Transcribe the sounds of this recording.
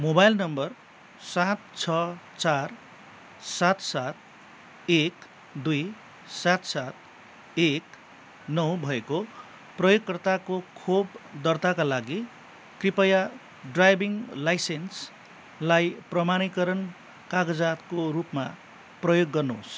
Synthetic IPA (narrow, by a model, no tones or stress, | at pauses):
mobajlnʌmbʌr | sat̪̚t͡sʰʌ | t͡sar | sat̪sat̪̚ | ek | d̪uj | sat̪sat̪̚ | ek | nʌw̃bʱʌeko | prʌjoɡkʌrt̪akokʰobd̪ʌrt̪akalaɡi | kripʌja | ɖrajbiŋlajsens | lajprʌmanikʌɾʌn | kaɡʌd͡zat̪koɾupma | prʌjoɡːʌrnos